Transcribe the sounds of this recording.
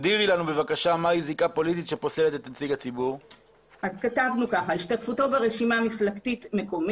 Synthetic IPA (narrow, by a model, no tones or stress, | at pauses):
d̪iʁilanube̞vakaʃamajizikapo̞lit̪it̪ʃepo̞se̞lete̞t̪at͡siɡat͡sibuʁ | ʔazkatavnukaχaiʃtatfuto̞beʁeʃimamiflaktitme̞ko̞m